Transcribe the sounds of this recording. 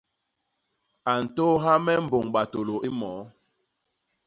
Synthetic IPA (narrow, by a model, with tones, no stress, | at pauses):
a˨n̩˨to˦ɦa˦mɛ˦m̩˨bo˨ŋɓa˨to˨lo˨ʔi˦mɔː˨˦